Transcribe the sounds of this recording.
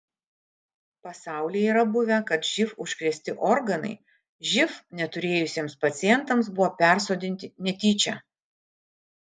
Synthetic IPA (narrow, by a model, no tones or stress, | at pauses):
pɐsɑˑʊlʲijiːɾɐbʊʋʲɛkɐt̪ʒ̥ʲɪfʊʃʲkɾʲɛsʲt̪ʲɪʔɔɾɡɐnɐ̰ɪ | ʒʲɪfnʲɛt̪ʊɾʲeːjʊsʲiɛmspɐt̪sʲɪjɛnt̪ɐmsbʊʋoːpʲɛˑɾsoːd̪ʲɪnʲt̪ʲɪnʲɛt̪ʲiːt͡ʃʲɛ̰